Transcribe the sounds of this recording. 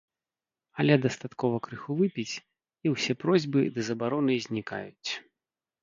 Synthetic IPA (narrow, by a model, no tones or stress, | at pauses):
ɐlʲɛd̪ɐst̪at̪kɔvɐkɾɨxuvɨpʲit͡sʲ | iwsʲɛpɾɔzʲbɨd̪ɨzɐbaɾɔnɨzʲnʲika̰jut͡sʲ